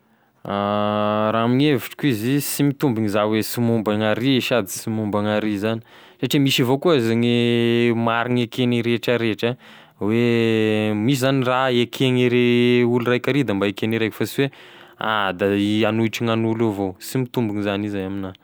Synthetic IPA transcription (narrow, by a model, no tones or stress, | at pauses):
a | ɾaamineviʈ͡ʂi̥kʲuizisimit̪umbiŋizawesimumbaŋaɾieʃad̪i̥simumbaŋaɾizani̥ | saʈ͡ʂimisivokuizaŋemaɾiŋekeŋiɾeʈ͡ʂaɾeʈ͡ʂa | we | mis̬izaniraekʰeŋiɾeulurajkaɾid̪ambaekeniɾajkfasiwea̰d̪aianuiʈ͡ʂiŋanuluvosimit̪umbiŋizanizajamina